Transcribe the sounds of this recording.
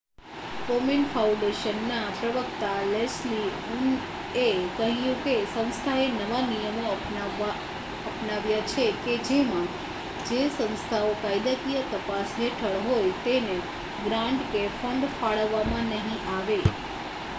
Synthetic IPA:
kominfʰaũɳɖeʃənːapɾəʋəkt̪alesli | un | ekəɦijũkesə̃w̃st̪ʰaenəʋanijəmoəp | ʋa | əpnaʋjat͡ʃʰeked͡ʒemã | d͡ʒesə̃ñst̪ʰaokajd̪əkijət̪əpasɦeʈʰəɭɦojt̪ene | ɡɾãɳɖkefəɳɖfaɭəʋːamãnəɦĩʔaʋe

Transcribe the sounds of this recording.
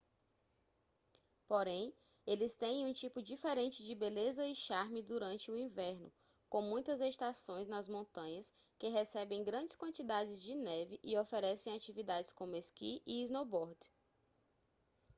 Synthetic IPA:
poɾẽj̃ | elɪst̪ẽj̃ũt͡ʃipʊd͡ʒifɛɾẽnt͡ʃɪd͡ʒɪbelezɐɪʃaɾmɪd̪uɾɐ̃nt͡ʃɪʊĩvɛɾnʊ̰ | kõmũj̃t̪ɐzest̪asõj̃znɐzmõnt̪ɐ̃ɲɐs | kɪɦɛsɛbẽj̃ɡɾɐ̃nd͡ʒɪskwɐ̃nt͡ʃid̪ad͡ʒɪzd͡ʒɪnɛvɪʔɪofeɾɛsẽj̃at͡ʃivid̪ad͡ʒɪskõmʊeskiʔiiznobɔɾd̪

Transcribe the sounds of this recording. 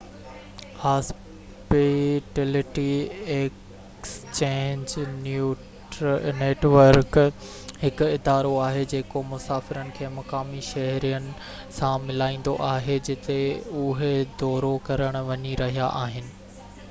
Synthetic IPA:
haːs | piʈeːlɪʈiek | st͡ɕẽːɲd͡ʑ | neːʈʋəɾk | hɪkʊɪd̪aːɾoaːɦed͡ʑeːkomʊsaːfɪɾənɪ̆kʰeːmɐkaːmiʃɐɦɾijənɪ̆ | sãmɪlaːĩːn̆d̪oʔaːɦed͡ʑɪt̪eʊɦed̪ɔːɾokɐɾəɽ̃ʊ̆ʋɐɲiɾɐɦijaʔaːɦɪnɪ̆

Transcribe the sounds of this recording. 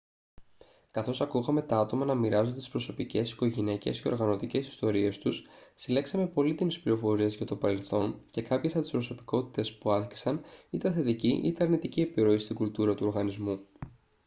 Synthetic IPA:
kɐθo̞sɐkuɣɐme̞t̪ɐɐt̪o̞mɐnɐmiɾɐzond̪et̪i̥spɾo̞so̞pice̞si̥ko̞ʝinece̞̰sceo̞ɾɣɐno̞t̪ice̞si̥st̪o̞ɾie̞st̪ussile̞ksɐme̞po̞lit̪imispliɾo̞fo̞ɾie̞zʝɐt̪o̞pɐɾe̞lθo̞nce̞kɐpçe̞sɐpt̪i̥spɾo̞so̞pi̥ko̞t̪i̥t̪e̞spuɐsci̥sɐnit̪eθe̞t̪iciʔḭt̪eɐɾnit̪iciepiɾo̞ist̪iɡult̪uɾɐt̪uo̞ɾɣɐnizmu

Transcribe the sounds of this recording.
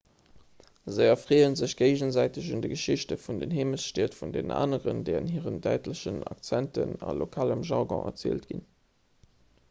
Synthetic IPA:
zəɪɐfʁeːənzəɕɡ̥eɪʑənzæɪtəɕundəɡəʃiɕtəfundənɦeːməsʃtiːɐtfundena̰ːnəʁə̰ndɛːʁənɦiːʁəndæɪtləɕənɑ̰k̚t͡sæntə̰nɑ̰lokʰaːləmʒɑʁɡɔ̰̃ʔɛ̰ɐt͡sḛːltɡ̥ḭn

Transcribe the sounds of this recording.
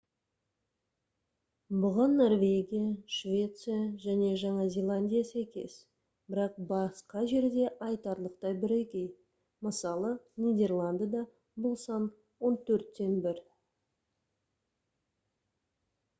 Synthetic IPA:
bʊʁənːo̞rvʲe̞ɡʲijaʃvʲe̞t̪sɨjaʒæne̞ʒɑɴɑzʲe̞lˠanʲd̪ʲijasæjkʲe̞̰s | b̥ɪɾɑq̚bɑsqɑʒe̞ɾd̪e̞ʔɑjt̪ɑɾlˠəq̚t̪ɑjbɪɾekʲe̞j | məsɑlˠənʲijd̪ʲe̞rlˠand̪jad̪ɑ | bʊlˠsɑn | wo̞nt̪ʰɵɾt̪ːe̞nbɪɾ

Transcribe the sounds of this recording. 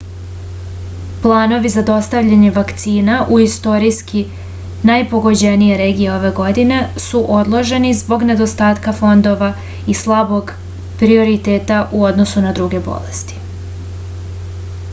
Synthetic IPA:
plˠaːno̞ʋizad̪o̞st̪aʋʎaɲe̞ʋakt̪siːnaʔuist̪o̞ɾijski | najpo̞ɡo̞d͡ʑe̞nije̞ɾe̞ːɡijeo̞ʋe̞ɡo̞d̪ine̞suʔo̞d̪lˠo̞ʒe̞nizbo̞ɡne̞d̪o̞st̪aːt̪kafo̞nd̪o̞ʋa | islˠabo̞ɡ | pɾio̞ɾit̪eːt̪aʔuo̞d̪nosunad̪ɾuɡe̞bo̰lḛst̪i̥

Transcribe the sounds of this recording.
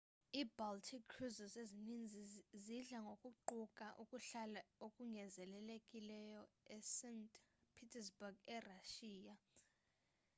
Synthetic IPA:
iːbaltʰikʰːruzɔzezinind͡zʱiziɮaŋɡʱokʼuǃukʼaʔukʼuɬalaokʼuŋɡʱɛzɛlɛlekʼilɛjɔɛsɛntʰʼpʰitʰɛsbuɡɛraʃiːja

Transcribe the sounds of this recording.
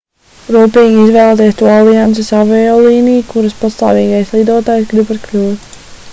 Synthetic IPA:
ɾuːpejiɡʲizvɛːlˠt̪eɛːst̪uɔalˠiant̪sɨsavɛjɔːlˠiːnijkuɾaspast̪aːviːɡajslˠid̪uɔt̪aːjsɡɾibaɾklʲuːtt̪

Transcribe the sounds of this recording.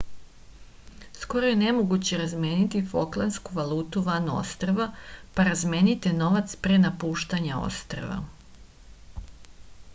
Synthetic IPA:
sko̞ɾoje̞ne̞moɡut͡ɕe̞ɾazmeːnit̪ifo̰klˠanskuʋalˠuːt̪uʋano̞̰st̪ɾaʋapaɾazme̞ːnit̪eno̞ʋat̪spɾenapuːʃt̪aɲao̰st̪ɾa̰ʋa̰

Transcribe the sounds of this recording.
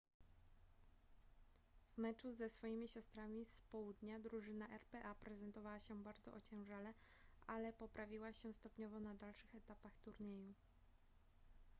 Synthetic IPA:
v̥mɛt͡ʂuzɛsfɔjimʲiɕɔst̪ɾamʲispɔwud̪ɲad̪ɾuʐɘnaʔɛɾpɛʔapɾɛzɛnt̪ɔvawaɕɛbaɾd̪zɔ̰ʔɔt͡ɕɛ̃w̃ʐalɛ | ʔalɛpɔpɾʔavʲiwaɕɛ̃st̪ɔpɲɔvɔnad̪alʂɘxɛt̪apaxt̪uɾɲeju

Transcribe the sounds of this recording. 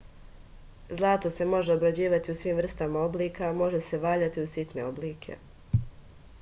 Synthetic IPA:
zlˠaːt̪ose̞mo̞ʒe̞obɾad͡ʑiːʋat̪iusʋiːmvr̩st̪amao̞bliːkamo̞ʒe̞se̞ʋaːʎat̪iusit̪ne̞̰obliːkʰe̞̰

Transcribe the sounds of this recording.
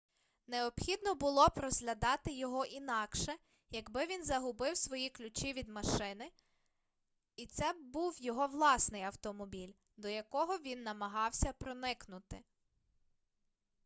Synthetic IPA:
neɔpxʲid̪nɔbʊlˠɔpɾɔzɦlʲɐd̪ɑt̪ɪjɔɦɔʔinɑkʃɛ | jɐɡbɪʋʲinzɐɦʊbɪwsʋɔjiklʲʊt͡ʃʲiʋʲid̪mɐʃɪnɪ | it̪sɛbuwjɔɦɔʋlˠɑsnɪjɐwt̪ɔmɔbʲilʲ | d̪ɔjɐkɔɦɔʋʲinːɐmɐɦɑwsʲɐpɾɔnɪknʊt̪ɪ

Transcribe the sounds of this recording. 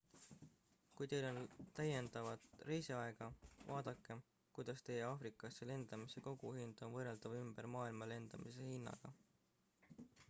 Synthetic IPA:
kujt̪e̞jlo̞nt̪æjend̪̥ɑvɑt̪rejsiɑeɡ̥ɑvɑːd̪̥ɑkːˑe̞ | kujd̪̥ɑst̪e̞jeɑːfrikˑɑsːele̞nd̪̥ɑmise̞ko̞ɡ̥uhind̪̥o̞nvɤrːeld̪̥ɑvymb̥eɾmɑːilmɑle̞nd̪̥ɑmis̬e̞hinːɑ̰ɡ̥ɑ

